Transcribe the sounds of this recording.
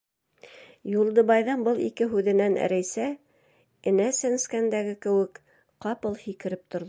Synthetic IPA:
julˠd̪ɤ̆βɑjðɤnbɤlˠḭkɘɦʉðɘ̆næn̰ɾæjsæ | ɘ̆næsæ̆nskænd̪æɡɘkɘ̆wɘk | qɑpɤlˠhikɘ̆ɾɘp̚t̪ŏɾð

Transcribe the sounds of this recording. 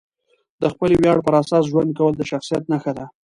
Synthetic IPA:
d̪əxpəlewjɑɽpəɾasɑs̬ʒwand̪̚kawəld̪əʃaxsijat̪naxəd̪a

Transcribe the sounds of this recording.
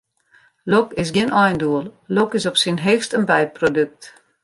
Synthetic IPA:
lokɪs̬ɡɪnʔɔjnduəlˠlokɪsɔpsinɦeːxstənbɛjt̚prodøk̚t

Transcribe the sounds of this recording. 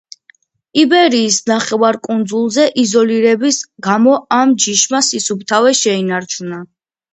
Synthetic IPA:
ibɛɾiːsnaχɛvaɾkʼund̪zulˠzɛʔizɔliɾɛbisɡamɔamd͡ʒiʃmasisup̚t̪ʰavɛʃɛinaɾt͡ʃʰuna

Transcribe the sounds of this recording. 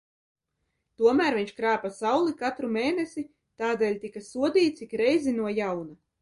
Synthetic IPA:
t̪uɔmæːɾviɲʲt͡ʃkɾaːpasawlˠikat̪ɾumeːnesi | t̪aːd̪eːlʲt̪ikasuɔd̪ʲiːt̪̚t̪sikɾɛjzinuɔjawna

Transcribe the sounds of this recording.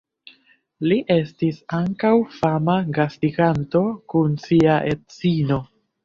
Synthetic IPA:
liʔe̞stisaŋkawfamaɡastiɡanto̞kunsiaʔett͡sino̞

